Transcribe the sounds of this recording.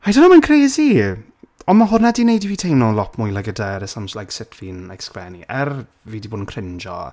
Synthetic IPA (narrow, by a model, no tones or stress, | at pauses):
hajdənɔmankʰreːzi | ɔnmaɦʊrnadinejdiviːtʰejnɔlˠɔpʰmʊjlˠaɡədɛɾəsamslajksɪtʰvinɛkskɛniʔɛr | viːdiboːdənkʰrɪnd͡ʒɔ̰